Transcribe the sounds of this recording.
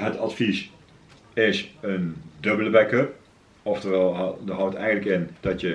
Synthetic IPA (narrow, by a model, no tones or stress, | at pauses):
ɦətɑtfis | ɪsəndɵbələbɛkəp | ɔftərɛlˠdəɦʌwtɛjənləkɪnd̥ɑtjə